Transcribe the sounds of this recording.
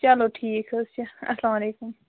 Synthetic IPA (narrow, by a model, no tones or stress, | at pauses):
t͡ʃɐloːʈʰiːkəzt͡ʃɐ̰slaːmleːkʊm